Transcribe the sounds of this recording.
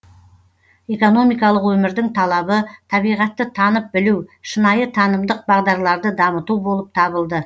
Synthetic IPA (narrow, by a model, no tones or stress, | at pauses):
e̞ko̞no̞mijkɑlˠəqwɵmɪɾd̪ɪŋt̪ʰɑlˠɑbət̪ʰɑβijʁɑt̪ːət̪ʰɑnəp̚bɪluwʃənɑjət̪ʰɑnəmd̪əq̚bɑʁd̪ɑɾlˠɑɾd̪əd̪ɑmət̪ubo̞lˠəp̚t̪ʰɑβəlˠd̪ə